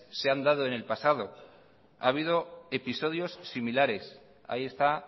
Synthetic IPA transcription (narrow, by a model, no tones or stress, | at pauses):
se̞and̪aðo̞e̞ne̞lpasaðo̞ | a̰ːβ̞iðo̞e̞piso̞ðjo̞sːimilaɾe̞s | a̰ie̞st̪a